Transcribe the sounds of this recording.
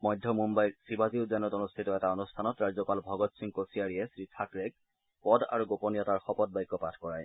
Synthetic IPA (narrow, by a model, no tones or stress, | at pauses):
mɔjdʱːɔmumbajsibaziʊzanɔtɔnustʰitɔɛtaɔnustʰanɔtɹazɔpalbʱɔɡɔtsiŋkosiaɹijɛsɹitʰakɹeɡ̚ | pɔda̰ɹuɡoponijɔtaɹxɔpɔd̚baɔjkːɔpatʰkɔɹaj